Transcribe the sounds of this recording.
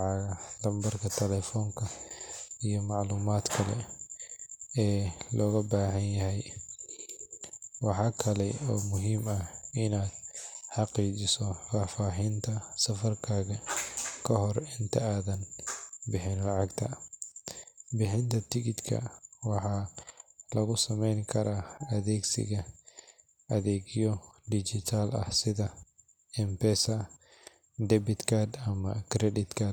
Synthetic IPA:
ʕɑɣɐlɐmbɐrkʰɐt̪ʰɛlɛːfɔːŋkʰɐ | ijɔmɑʕluːmaːd̪kʰɐlɛ̰ | ɛːlʔɔːɣɐbaːɦɐnjɐɦɛj | wɑħɑːkʰɐlɛɔːmʊɦiːmɐɪnaːd̪ħɑqiːt͡ʃɪsɔfaːfaːɦɪnt̪ʰɐsɐfɐrkʰaːɣɐkʰɐɦɔrɪnt̪ʰɐaːðɐnbɪħɪnlɑʕɑɡt̪ʰɐ̰ | bɪħɪnt̪ʰɐt̪ʰɪɡɪd̪kʰɐ̰wɑħɑː | lɐɣʊsɐmɛjŋkʰɐɾaːɐðɛːɡsɪ̰ɣɐ | ɐðɛːɡɪjɔd̪id͡ʒɪt̪ʰaːlɐ̰hsɪðɐ | ɛmpɛsɐ | d̪ɛbɪt̪kʰad̪ɐmɐ̰kʰɾɛdɪt̪kʰad̪̚

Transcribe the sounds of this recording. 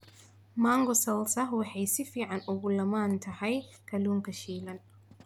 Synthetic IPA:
maːŋɡɔsɐlsɐwɑħɑjsɪfiːʕɑnʊɣʊlɐmaːnt̪ʰɐhɛjkʰɐluːŋkʰɐʃiːlɐn

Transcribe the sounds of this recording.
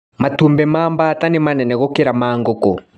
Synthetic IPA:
matumbɛmaːmbaːtanɪmanɛnɛɣɔkeɾamaːŋɡɔkɔ̰

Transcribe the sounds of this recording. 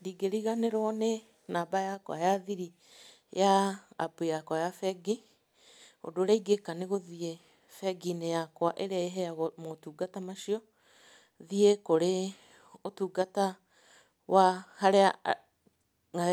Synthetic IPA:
ɾiɡeɾiɣaneɾwɔne | nabajakwa̰jaðiɾi | ja̰ːbejakwajafɛɡi | o̰doɾaiɡekaneɣoðie | fɛɡinejakwaʔeɾeaeɦɛaɣomotuːɡatamaʃiɔ | ðiekoɾe | otuːɡata | wʔahaɾea | a

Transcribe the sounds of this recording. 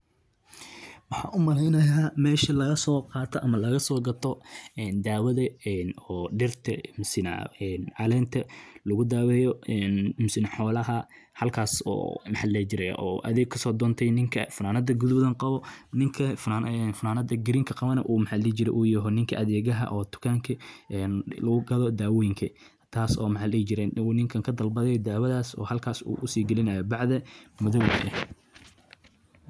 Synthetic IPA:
wɑħɑ̰ːʔʊmɐlɛjnɐjaːmɛːʃɐlɐɣɐsɔːqɑːt̪ʰɔʔɐmɐlɐɣɐsɔːɡɐt̪ʰɔɛːnd̪aːwɐðɐɛnɔːɖɪrt̪ʰɐmʊsɪna̰ɛnʕɑlɛːnt̪ʰɐlɐɣʊd̪aːwɛːjɔɛːnmʊsɪnɐħɔːlɐɦɐ | hɐlkʰaːsɔ̰ːmɐħaːlɛːt͡ʃɪɾɛj̰ʔɔ̰ːʔɐ̰ðɛːɡkʰɐsɔːd̪ɔːnt̪ʰɛjnɪŋkʰɐ̰fʊnaːnɐd̪ɐɡʊðbðɐnqɑβɔnɪŋkʰɐfaɛnfʊnaːnɐd̪ɐɡɪɾiːŋkʰɐqɑβɐnɐʔuːmɐħalɛːt͡ʃɪɾɛ̰jʔuːjɐɦɔnɪŋkʰɐʔɐðɛːɣɐɦɐ̰ʔɔːt̪ʰʊ̥kʰaːŋkʰɐɛnlɐɣʊɡɐðɔd̪aːwɔjɪŋkʰɐ | t̪ʰaːsɔːmɐħalɛt͡ʃɪɾɛnuːnɪŋkʰɐŋkʰɐd̪ɐlbɐðɛjɔd̪aːwɐðaːsɔ̰ːhɐlkʰaːsṵːʔʊsiːɡɐlɪnɐjɔbɑʕðɐmʊðɔwdɐʔɛ̰

